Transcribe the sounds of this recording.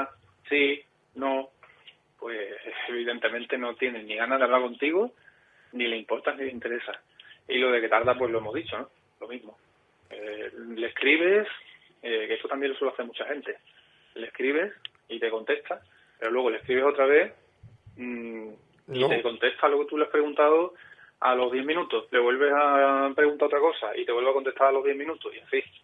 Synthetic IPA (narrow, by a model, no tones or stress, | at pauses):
si | nõ̞ | pwe̞seβiðe̞nt̪e̞mẽnt̪e̞no̞t̪je̞nẽnniɣanaðeaβlaɾko̞nt̪iɣo | nile̞impo̞ɾt̪anileint̪e̞ɾe̞sa | ilo̞ðe̞ke̞t̪aɾðap̬we̞ɦlo̞e̞moɦðit͡ʃono | lo̞mĩzmo | elehkɾiβ̞e̞s | ekest̪ot̪ambjelosweloaθeɾmut͡ʃahe̞nt̪e̞ | lehkɾiβ̞e̞s | it̪e̞ko̞nt̪e̞ht̪ʰa | pe̞ɾo̞lwe̞ɣo̞lehkɾiβ̞e̞so̞t̪ɾaβ̞e̞ | it̪eko̞nt̪e̞ht̪ʰalo̞ket̪uleahpɾe̞ɣunt̪aðo | alo̞ɦðje̞mĩnũt̪osle̞βwe̞lβe̞sapɾe̞ɣunt̪aot̪ɾako̞saʔḭt̪eweβakont̪e̞t̪aɾalo̞ðje̞mĩnũt̪osieɱfi